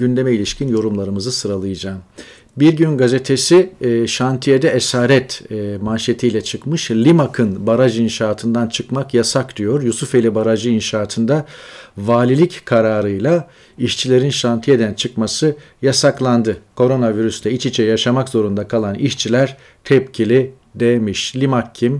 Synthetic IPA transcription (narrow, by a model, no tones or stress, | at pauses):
ɟynd̪e̞mɛilʲiʃcʰinjo̞ɾumlˠaɾɯmɯzɯsɯɾalˠɯjɯd͡ʒaːm | biɾɟynɡaze̞t̪ʰe̞siʃant̪ʰijed̪ɛesaːɾɛt̪ːmanʃet̪ʰijlʲɛt͡ʃʰɯkmɯʃlʲimakʰɯnbaɾaʒinʃaːt̪ʰɯnd̪ant͡ʃʰɯkmakjasakd̪̥ijo̞ɾjusufelʲibaɾaʒɯinʃaːt̪ʰɯnd̪avaːlʲilʲickʰaɾaːɾɯjlˠa | iʃt͡ʃʰilʲe̞ɾinʃant̪ʰijed̪ænt͡ʃʰɯkmasɯ | jasaklˠand̪ɯkʰo̞ɾo̞naviɾysd̪ɛit͡ʃʰit͡ʃʰɛjaʃamakzo̞ɾund̪akʰalˠaniʃt͡ʃʰilʲæɾ | t̪ʰɛpcʰilʲi | d̪emiʃlʲimakʰːim